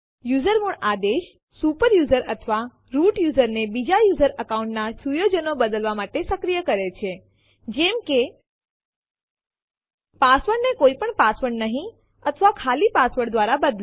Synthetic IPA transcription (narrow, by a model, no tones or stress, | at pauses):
juzəɾmuɳad̪eʃ | supəɾjuzəɾət̪ʰəʋa | ɾuʈjuzəɾnebid͡ʒajuzəɾəkaũɳʈnasujod͡ʒənobəd̪əlʋamaʈesəkɾijəkəɾet͡ʃʰe | d͡ʒɛmke | pasʋəɾnekoipəɳpasʋəɳnəɦĩ | ət̪ʰəʋakʰalipasʋəɽd̪ʋaɾabəd̪l